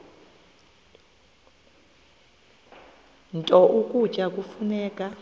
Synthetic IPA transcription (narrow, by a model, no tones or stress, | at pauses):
ntʼɔʔukʼut͡ʃʼak̬ʼufunɛːk̬ʼa